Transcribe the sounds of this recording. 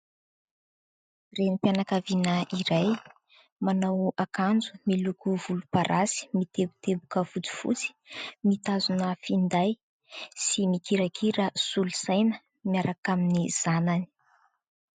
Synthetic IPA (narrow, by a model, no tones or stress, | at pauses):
renipjanakavinəiɾaj | manawakand͡zumilukuvulupaɾʔasi̥mit̪ebut̪ebukəvut͡si̥fṵt͡si̥mit̪azunəfind̪aj | simikiɾakʰiɾəsulusajnə | miaɾakaminiz̥anani̥